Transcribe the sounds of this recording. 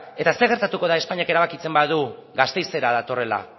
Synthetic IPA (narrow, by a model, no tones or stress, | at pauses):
e̞t̪aseɣeɾt̪at̪uko̞ð̞aespaɲiake̞ɾaβakit͡se̞mbaðuɣast̪e̞jse̞ɾaðat̪o̞re̞la̰